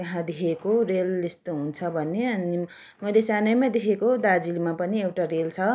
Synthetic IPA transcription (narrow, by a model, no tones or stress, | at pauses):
jʌɦãd̪ekʰekorelest̪oɦunt͡sʰʌbʱʌnːeʌni | mʌlesanʌjmad̪ekʰekod̪ad͡zilmapʌniewʈaɾelt͡sʰʌ